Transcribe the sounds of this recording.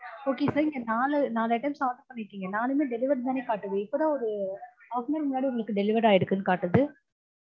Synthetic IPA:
oːkesɐɾɪŋɡɐnaːlɐnaːlɐɐʈːɐmsaːʈ̪ɐpɐɳːɪkːiːŋɡɐnaːlɛmeːɖɛlɪʋɐɾt̪aːneːkaːʈːɯʋɐːɪpːoðãːɔɾɯ | aːfnɐɾmʊnːaːɽiʊŋɡɐɭɯkːɯɖɛlɪʋɐɾaːjɪɽɯkːɯnːɯkaːʈːɯðɯ

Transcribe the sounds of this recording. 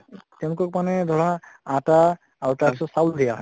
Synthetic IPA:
tɛw̃nʊkɔk̚manɛd̪ʱɔɹaãtaː | ɹutaisɔsawd̪ijaɦ

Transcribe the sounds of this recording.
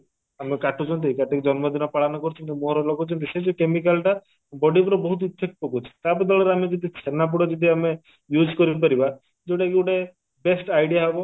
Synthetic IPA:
amekaʈut͡ʃʰɔnt̪̬ikaʈiked͡ʒɔnmɔd̪ʱinɔpaɭ̤anɔkɔɾut͡ʃʰɔnt̪imoɦɾɔlɔkɔt͡ʃʰɔnt̪̬ised͡ʒɔkemik̬alʈa | bɔɖipɾɔbɔɦut̪̬iut̪ʰek̚pɔkut͡ʃʰi̥t̪abɔd̪ɔlɔɾeamed͡ʒid̪isʰenap̬uɽɔd͡ʒed̪ʱiame | jud͡ʒkɔɾip̬aɾiba | d͡ʒewʈakeuʈe | besʈajɽijaɦebɔ

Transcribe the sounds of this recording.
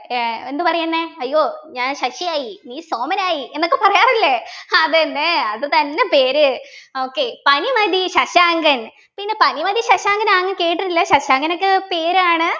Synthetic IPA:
e̞nd̪ɨpɐrɐjunːeɐjːo̞ːɲaːnɕɐʂijaːjiniːsoːmɐnaːjie̞nːokːepɐrɐjaːrilːeɐðenːeɐðɨt̪ɐnːe̞pe̞ːɾɨoːkːe̞pɐnimɐd̪ʱiɕɐɕaːŋɡɐn | pinːe̞pɐnimɐd̪iɕɐɕaːŋɡɐnaːŋːɐnke̞ːʈ̬ːiʈilːɐɕɐɕaːŋɡɐnokːepe̞ːɾaːɳɨ

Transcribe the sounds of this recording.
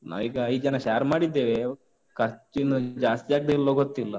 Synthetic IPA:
na̰ːʋiːɡɐid͡ʒɐnɐʃaːɾmaːɽid̪ːeːʋe | kɐɾt͡ʃinud͡ʒaːst̪ijaːɡ̚d̪eilːoːɡot̪ːilːɐ

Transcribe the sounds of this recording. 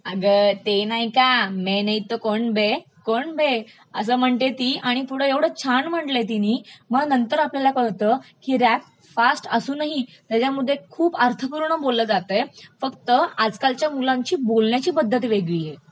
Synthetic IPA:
əɡət̪enaɦikamenəit̪əkoɳbe | koɳbe | əs̬əːm̤əɳt̪et̪iːʔaɽ̃ikuɽ̤əeʋɽ̤əːt͡ɕʰanm̤əɳʈlet̪iniːməɡnənt̪əɾapljalakəɭt̪əkiːɾæp̚ | fasʈəsuːnaɦit̪jat͡ɕjamud̪ʱːekʰuːpəɾt̪ʰəkəɾuːnəbolːəd͡zat̪əjfəkt̪əad͡zkalt͡ɕjamulãɲt͡ɕiːbolɳjat͡ɕiːbəd̪ʱːət̪ʋeɡʋiːje

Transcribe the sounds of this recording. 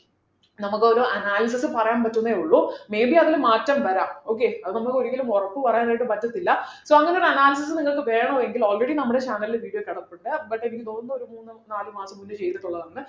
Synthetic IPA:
nɐmukːɨoɾuʔɐnaːlɐs̬ɐsɨpɐrɐjaːnpɐtːunːɐeuɭːume̞ːbiɐðilumːaːtːɐmʋɐɾaːmo̞ːk̬ːeːɐðɨnɐmːukːo̞ɾukːilumorɐpːɨpɐrɐjaːnaːjʈ̬ːɨpɐtːɐt̪ːilːɐso̞ːɐŋːɐneoɾuɐnaːlɐsisɨniŋːɐɭkɨʋeːjɐɳɐoːeŋɡilo̞ːlreɽinɐmːuɽe̞t͡ɕaːnɐlilʋiːɽijokeɽɐpːuɳɖɨbɐʈːeenikʲːɨnoːnːo̞ɾumuːnːɨnaːlɨmaːsɐmːunːɨt͡ɕe̞jt̪ːiʈːuɭːɐðɐnːɨ

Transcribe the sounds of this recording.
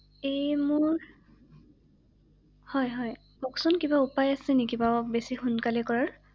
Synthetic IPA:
ejmʊɹ | hɔjɦɔj | mɔksɔnkibaupajasɛnikibabesixunkalɛkɔɹaɹ

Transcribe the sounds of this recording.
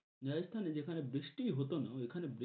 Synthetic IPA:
nast̪ʰaned͡ʑekʰanebɾisʈiɦot̪onaekʰanebɾi

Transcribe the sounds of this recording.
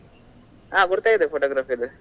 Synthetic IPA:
aːkʊɽɯt̪ːaːjiðɯfoːʈoːɡɾaːfid̪ɯ

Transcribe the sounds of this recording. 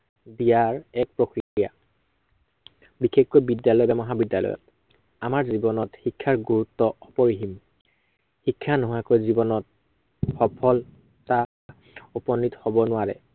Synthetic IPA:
bijaɹɛk̚pɹokɹikija̰ | bikekkojbidjalɔjbamɔɦabidjalɔ̰jɔ̰t̚ | amaɹzibɔnɔtxikʰːaɹɡuɹutːɔɔpɔɹiɦim | xikʰːanɔɦakojzibɔnɔt̚ | xɔpʰɔl | ta | upɔnːithɔbɔnʊwaɹɛ̰

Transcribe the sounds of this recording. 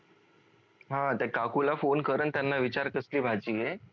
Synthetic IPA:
ɦãt̪jakakʰulafonkəɾənt̪janːaʋit͡ɕaɾkəsliːbʱad͡ʑiːje

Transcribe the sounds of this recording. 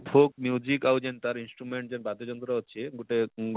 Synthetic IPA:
pʰok̚mjud͡ʑikawd͡ʑent̪aɾinsʈɾumeɳʈ̚d͡ʑenbad̪od͡ʑɔnt̪ɾoɾaɦotːɕʰeɡuʈeɡ

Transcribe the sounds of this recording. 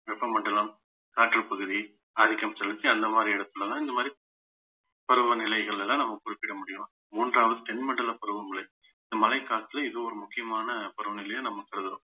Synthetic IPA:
ʋɛpːɐmɐɳɖɐlɐm | kaːʈːɐɭpɐɣɯði | ɐðɪkːɐmsɛlːɯt͡ʃːiɐnd̪ɐmaːd̪ɾiɛɽɐt̪ːɯlːɐlãːɪnd̪ɐmaːd̪ɾi | pɐɾɯʋɐnɪlɐɪɣɐɭɪllãːnɐmːɐkʊɾɪpːɪɽɐmʊɽɪjʊ̃ | muːndraːʋɐðɯʈɛnmɐɳɖɐlɐpɐɾɯʋɐŋɡɐɭe | ɪnd̪ɐmɐlɐɪkːaːt̪ːɪlɐɪðɯɔɾɯmʊkːɪjɐmaːnɐpɐɾɯʋɐnɪlɐjɐ̃nɐmːɐkɐɾɐðɐʋɐ̃

